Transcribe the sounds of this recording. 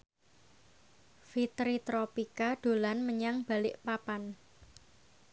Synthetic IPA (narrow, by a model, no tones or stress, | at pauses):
fit̪ɾit̪ɾopikaɖ̥o̤lanməɲaŋb̥a̤lɪʔpapan